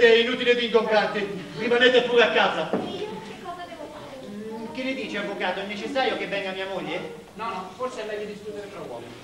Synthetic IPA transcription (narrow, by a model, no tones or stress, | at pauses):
ɛinuːt̪iled̪iŋkompɾant̪ɪ | rimanet̪epːuːɾeakːaːza | kɔaeoka | k̟ɪlːɪd̪iːt͡ʃeavːokaːt̪oɛnːet͡ʃɪsːaːɾjokevːɛŋɡamiːamoʎːe | nɔnɔforseamːɛjːid̪iskuːt̪eɾet̪ɾɔɔ